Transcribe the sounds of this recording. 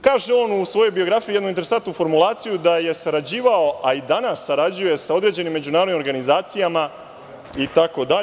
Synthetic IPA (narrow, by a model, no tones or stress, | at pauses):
kaːʒeo̞ːnusʋo̞jo̞jbio̞ɡɾafijijenuint̪eɾesant̪nufo̞ɾmulˠaːt̪sijud̪aje̞saɾad͡ʑiːʋao̞ʔaid̪anasːaɾad͡ʑuje̞sao̞d̪ɾed͡ʑe̞nimːe̞d͡ʑunaːɾod̪imo̞ɾɡanizaːt̪sijama | it̪ako̞d̪a